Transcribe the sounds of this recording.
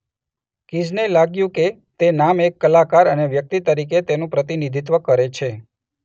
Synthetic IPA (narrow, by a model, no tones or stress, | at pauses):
kid͡ʒnelaɡjũke | t̪enamekːəlakaɾəneʋjək̚t̪it̪əɾiket̪enũpɾət̪inid̪ʱit̪̬ʋəkəɾet͡ʃʰe